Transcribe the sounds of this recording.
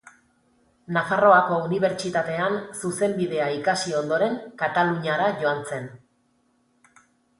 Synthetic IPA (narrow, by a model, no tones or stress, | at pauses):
nafaro̞ako̞uniβ̞e̞ɾt͡ʃit̪at̪e̞ansuse̞mbiðe̞aikasio̞nd̪o̞ɾe̞ŋkat̪aluɲaɾaʝo̞ant͡se̞n